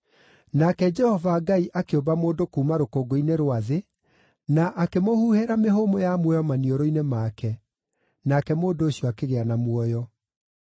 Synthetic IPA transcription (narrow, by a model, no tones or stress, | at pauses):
nakɛd͡ʒɛhɔvaːɡaiʔakeombamoːndokuːmaɾokoɡoineɾwaðe | naʔakemohuːheɾameɦomojamwɔjɔmanioɾoinemaːkɛ | nakɛmoːndoːɕiɔakeɣeanamwɔjɔ